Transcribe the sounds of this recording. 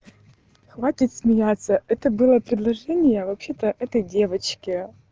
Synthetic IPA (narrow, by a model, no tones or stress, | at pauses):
xvatʲɪt̪sʲmʲɪjat̪sːəɛt̪əbɨlˠəpɾʲɪd̪lˠɐʐɛnʲɪjəvɐpɕet̪əʔɛt̪əjdʲe̞vət͡ɕkʲɪ